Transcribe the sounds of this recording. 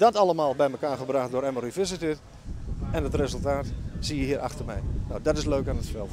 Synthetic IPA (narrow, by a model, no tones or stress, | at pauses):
d̥ɔtɑləmaːlˠbɛjməkaːrχəbraχtdʊːɾɛmərifɪsɪti | ɛnətrezəlˠtaːtsiəhiːəɾʔɑ̰xtərmɛ̰jnawdɔtɪsløɥkaːnətsfɛlˠ